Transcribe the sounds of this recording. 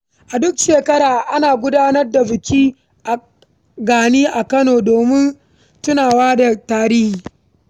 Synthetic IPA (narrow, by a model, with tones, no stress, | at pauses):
ʔa˨dʊ˦kʃeː˨kɐ˦ɾaː˨ʔa˦naː˨ɡʷʊ˦daː˦nɐ˦rda˨bɪ˨kʲiː˦ | ʔa˨ | ɡaː˨niː˦ʔa˨kɐ˦noː˨doː˨mɪ˦n | tʊ˦naː˨waː˦da˨taː˨ɾɪ˦hiː˨